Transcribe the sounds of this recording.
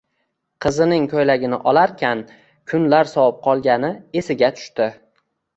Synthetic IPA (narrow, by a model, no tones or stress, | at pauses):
qʰɨzɪnɪŋkʰojlaɡʲɪnɪʔɒlaɾkʲʰan | kʰʊnlaɾsɒwɑp̚qʰɒlˠɡʲanɪe̞sɪɡʲat̪ʰʊ̥ʃt̪ɪ